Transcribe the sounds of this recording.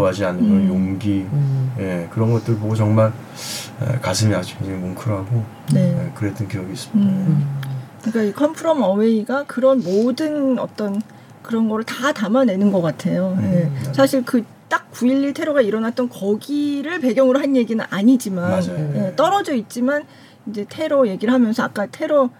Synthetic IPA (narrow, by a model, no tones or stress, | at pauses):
oɦad͡ʑianɯkɯɾʌnjoŋɡije̞kɯɾʌnɡʌt͈ɯɾɯɭpoɡot͡ɕʌŋmaɭ | ḛkasʰɯmiat͡ɕʰeŋd͡ʑeimoŋkʰɯɾɦaɡo | ne̞jekɯɾet͈ɯnkijʌɡiːs͈ɯmida | kik͈aikʰʌmpʰuɾʌmʌweiɡakɯɾʌnmodɯnʌ̰t͈ʌn | kɯɾʌnɡʌɾɯɭtatamane̞nɯnɡʌk͈atʰe̞joje̞sʰaɕʰiɭkɯ | t͈ak̚kuiʎːitʰeɾoɡaiɾʌnat̚t͈ʌnkʌɡiɾɯɭpe̞ɡjʌŋɯɾoɦanje̞ɡinɯnʔaɲid͡ʑimanje̞t͈ʌɾʌd͡ʑʌit̚t͡ɕ͈iman | ind͡ʑe̞tʰe̞ɾoje̞ɡiɾɯɭɦamjʌnsʰʌak͈atʰe̞ɾo